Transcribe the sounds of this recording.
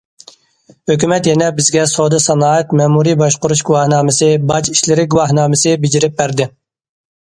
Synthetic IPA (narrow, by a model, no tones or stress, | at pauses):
høkʲymɛt̪jɛnɛbɪzɡʲɛsod̪ɨsɑnɑːɛt̪mɛmuɾibɑʃqʊɾuʃɡuwɑhnɑːmɨsɨbɑt͡ʃi̥ʃlɪɾɪɡuwɑhnɑːmɨsɨbɪd͡ʒiɾɪp̚bæɾd̪ɪ